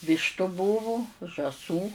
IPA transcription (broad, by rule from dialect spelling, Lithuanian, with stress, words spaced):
ˈʋʲiːʃtʊ ˈbuːʋʊ ʒɑːˈsuː